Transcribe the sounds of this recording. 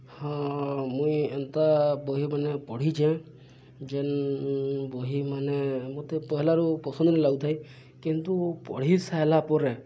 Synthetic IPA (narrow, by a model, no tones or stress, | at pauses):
hɔ̃mũient̪abɔɦimanepɔɽ̤id͡ʒʰẽ | d͡ʒen | bɔɦimanemot̪epɔɦɛlaɾupɔsɔnd̪ɔnelaɡut̪ʰaj | kint̪upɔ̰ɽ̤isaelapɔɾe